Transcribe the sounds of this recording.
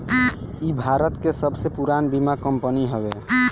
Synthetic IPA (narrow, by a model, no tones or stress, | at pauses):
ibʱaɾət̪kesəbsepuɾanbimakəmpəniɦɔbe